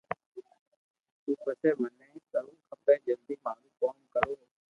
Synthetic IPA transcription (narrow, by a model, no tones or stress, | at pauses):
t̪uːpəseːməneĩːk̪əɾũːkʰəbẽːd͡ʒəld̪iːmaːlũːkoːnkəɾoː